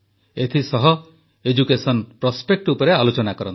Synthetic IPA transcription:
et̪ʰisɔɦɔ | ed͡ʒukesɔnpɾɔspek̚ʈupɔɾealot͡ʃɔnakɔɾɔ̰nt̪

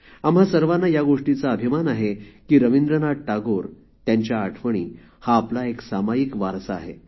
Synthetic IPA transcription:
amɦasəɾʋanːajaɡoʂʈit͡saəbʱimanaɦekiːɾəʋind̪ɾənaɽ̚ʈaɡoɾ | t̪jaɲt͡ɕjaːʈʰʋəɳ̃iː | haːplaeksamajikʋaɾsaa̰ːɦe

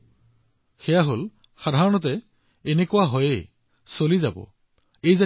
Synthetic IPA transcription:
xɛjaɦol | xadʱaɹɔnɔt̬ɛː | nekʊwaɦɔje | solizabɔ̰ | ejza

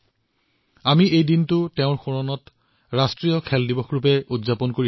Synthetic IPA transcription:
amiejdintʊtɛʊ̃ɹxɔɹɔnɔt | ɹastɹiɔkʰɛldibɔxɹupɛudzapɔnkoɹi

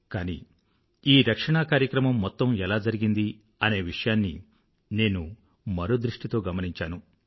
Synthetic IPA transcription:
kaːnḭː | iːɾɐkʂɐɳakaːɾjɐkɾɐmɐmːɔt̪ːɐmɛlaːd͡ʒɐɾiɡind̪i | ɐne̞ːʋiʂɐjaːnːḭ | ne̞ːnu | mɐɾo̞ːd̪ɾiʂʈit̪o̞ːɡɐmɐniɲt͡ʃaːnu

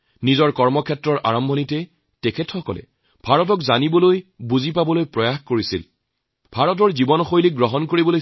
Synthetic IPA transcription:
nizɔɹkɔɹmɔkʰɛtɹɔɹʔa̰ɹɔmbʱɔnitɛ | tekʰɛtxɔkɔ̰lɛ̰ | bʱaɹɔt̬ɔkzanibɔlojbuzipabɔlojpɹɔjaxkoɹisḭl | b̥ʱaɹɔt̬ɔɹzibɔnɔxojliɡɹɔɦɔnkoɹibɔloj

